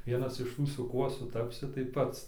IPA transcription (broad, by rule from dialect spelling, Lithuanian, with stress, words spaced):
ˈʋʲiɛnɐs ɪʃ ˈtuː sʊ ˈkuɔ sʊˈtɑːpʲsʲɪ tɐɪ ˈpɐts